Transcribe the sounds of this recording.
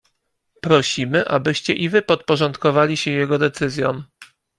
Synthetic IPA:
pɾɔɕimɘʔabɘɕt͡ɕɛʔivɘpɔt̪̚pɔʐɔnt̪kɔvalʲiɕɛjɛɡɔd̪ɛt̪sɘzʲjɔm

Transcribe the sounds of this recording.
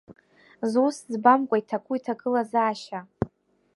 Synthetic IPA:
zuszbamkʷʼaitʰakʷʰʼuitʰakʼɨlazaːʃa

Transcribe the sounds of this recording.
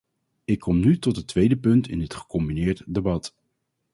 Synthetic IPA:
ɪkʰːɔmnytɔtɦətʋejdəpɵntɪ̰ndɪtχə̥kɔmbinɪːɹtdebɑt

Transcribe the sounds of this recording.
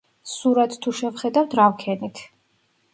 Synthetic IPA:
suɾat̪ʰt̪ʰːuʃɛvχɛd̪avt̪ʰɾavkʰɛnit̪ʰ

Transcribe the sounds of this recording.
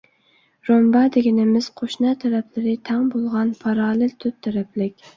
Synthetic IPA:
ɾombɑd̪ɪɡʲɪnɪmɪz̥qʰoʃnɑt̪ʰaɾæplɪɾɪt̪ʰæŋbolˠʁɑnpʰɑɾɑːlˠɪlt̪ʰʊt̪ʰːæɾaplɪkʲ

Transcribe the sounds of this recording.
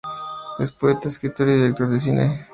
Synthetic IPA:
despoet̪aeskɾit̪oɾjoðelpɾofes̬inʔḛ

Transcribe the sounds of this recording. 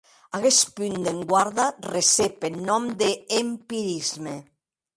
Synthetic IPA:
aɣespynd̪eŋɡwaɾðaresepennɔmd̪eːmpiɾizme

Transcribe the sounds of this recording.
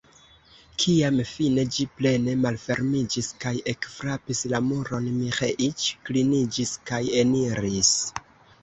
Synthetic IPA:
kʰiamfine̞d͡ʒiple̞ne̞malfe̞ɾmid͡ʒiskaje̞kfɾapislamuɾo̞nmiχeʔit͡ʃklinid͡ʒiskaje̞niɾis

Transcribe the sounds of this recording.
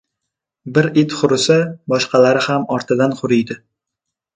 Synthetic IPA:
bɪɾɪt̪χʊɾɪsabɒʃqʰɑlaɾɪhamɒɾt̪ʰɪd̪anqʊɾɪjd̪ɪ

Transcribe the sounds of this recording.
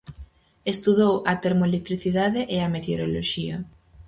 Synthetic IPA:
est̪uðowɐt̪eɾmolek̚t̪ɾiθiðaðeʔeɐmet̪eoɾoloʃiɐ

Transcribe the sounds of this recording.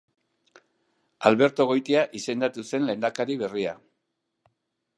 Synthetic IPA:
alβe̞ɾt̪o̞ɣ̞o̞jt̪iaʔise̞nd̪at̪use̞nle̞nd̪akaɾiβ̞e̞ria

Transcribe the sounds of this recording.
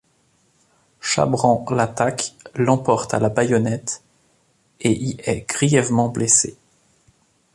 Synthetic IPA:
ʃa̰bʁɑ̃lat̪aklɑ̃pɔʁt̪a̰labajɔnɛt̪ | eʔiɛɡ̥ʁijɛvmɑ̃blese

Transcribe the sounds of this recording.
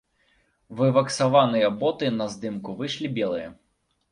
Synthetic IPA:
vɨvɐksavanɨjɐbɔt̪ɨnɐzd̪ɨmkuvɨʂlʲibʲɛlˠɨjɐ

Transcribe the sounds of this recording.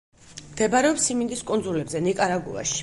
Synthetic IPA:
md̪̥ɛbaɾɛɔpsimind̪iskʼunzulɛbzɛnikʼaɾaɡṵa̰ʃi̥

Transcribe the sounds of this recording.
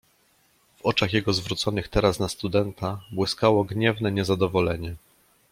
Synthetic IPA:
v̥ɔt͡ʂaxjɛɡɔzvɾut̪sɔnɘxt̪ɛɾasnast̪ud̪ɛnt̪ʰabwɘskawɔɡɲɛvn̪ɛɲɛzad̪ɔvɔlɛɲɛ

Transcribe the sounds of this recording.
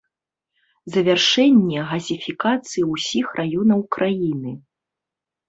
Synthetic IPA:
zɐvʲarʂɛnʲːɛɣɐzʲifʲikat̪sɨjiwsʲixrʔajɔnɐwkɾʔajinɨ

